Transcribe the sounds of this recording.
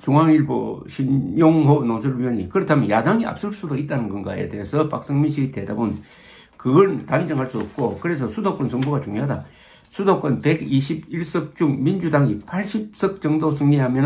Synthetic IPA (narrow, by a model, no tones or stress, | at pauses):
t͡ɕoŋaŋiɭbo̰ɕʰinjoŋɦonoŋsʰɯɭijʌɲikɯɾʌtʰamjʌnjadaŋia̰p̚s͈ɯɭs͈udoit̚t͈anɯnɡɯnɡa̰ḛdeɦesʰʌpak̚s͈ʌŋminɕʰiɡite̞dabɯn | kɯɡʌɭntand͡ʑɯŋɦaɭs͈uʌp̚k͈okɯɾe̞s̬ʰʌsʰudok͈ʌnsʌŋbuɡat͡ɕuŋjoɦada̰ | sʰudok͈ʌnpe̞ɡiɕʰibiɭs͈ɯk̚t͡ɕ͈uŋmind͡ʑudaŋipʰaɭɕ͈ip̚s͈ɯk̚t͡ɕʌŋdos̬ʰɯŋɲiɦamjʌn